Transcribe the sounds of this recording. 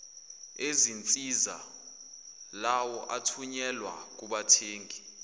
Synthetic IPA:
ezint͡sʼiza̰ | lawɔʔatʰuɲɛlwa̰k̬uɓatʰeːŋʱi

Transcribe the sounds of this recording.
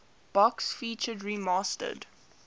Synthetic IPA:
b̥ɔksfiːt͡ʃədɹimɑːstə̰d

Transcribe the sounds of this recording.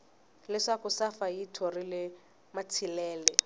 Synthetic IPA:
lɪʂakʊsafajitʰɔrilɪ | matʰilɛːlɛ

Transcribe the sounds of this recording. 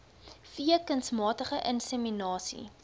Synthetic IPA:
fiəkənsmɑːtəχəʔənsəminɑːsḭ

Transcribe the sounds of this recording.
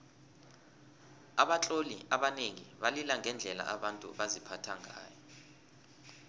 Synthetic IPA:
aɓat͡ɬʼoliʔaɓaneŋiɓalilaŋʱɛnd͡ɮʱɛla̰ʔaɓantʼṵɓazipʰatʰaŋʱa̰ːjɔ

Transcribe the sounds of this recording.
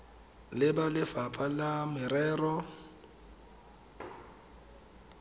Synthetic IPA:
lɪbalɪfapʼalamɪɾɛːrɔ

